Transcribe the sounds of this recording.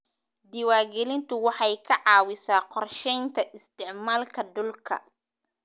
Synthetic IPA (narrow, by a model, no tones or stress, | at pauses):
d̪ɪwaːrɡɛlɪnt̪ʰʊwɑħɑjkʰɐʕɑːwɪsaːqɔrʃɛjnt̪ʰɐʔɪst̪ʰɪʕmaːlkʰɐd̪ʊlkʰɐ̰